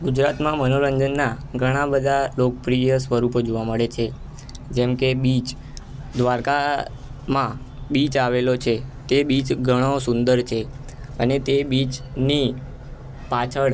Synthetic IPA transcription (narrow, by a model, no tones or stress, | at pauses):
ɡud͡ʒɾat̪mãmənoɾəɲd͡ʒənːaɡʱəɽ̃ãbəd̪ʱalokəpɾijəsʋəɾupod͡ʒoʋaməɭet͡ʃʰe | d͡ʒɛmkebit͡ʃ | d̪ʋaɾka | mã | bit͡ʃaʋelot͡ʃʰet̪ebit͡ʃɡʱəɽ̃osund̪əɾt͡ʃʰe | ənet̪ebit͡ʃ | ni | pat͡ʃʰəɭ